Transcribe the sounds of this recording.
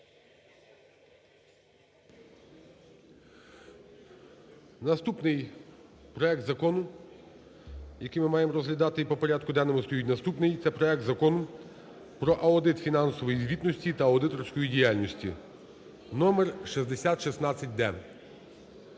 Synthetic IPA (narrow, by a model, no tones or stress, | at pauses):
nɐst̪upnɪj | pɾɔɛk̚t̪zɐkɔnʊ | jɐkɪjmɪmɑjemɔɾɔzɦlʲɐd̪ɑt̪ɪipɔpɔɾʲad̪kʊd̪ɛnemʊst̪ɔjutʲnɐst̪upnɪjt̪sɛpɾɔɛk̚t̪zɐkɔnʊ | pɾɔʔɐɔd̪ɪt̪fʲinɑnsɔʋɔjizʲʋʲit̪nɔsʲtʲit̪ɐɐɔd̪ɪt̪ɔrsʲkɔjidʲijalʲnɔsʲtʲḭ | nɔmɛrʃizd̪esʲat̪ʃisnɑt͡sʲːɐt̚ʲd̪ɛ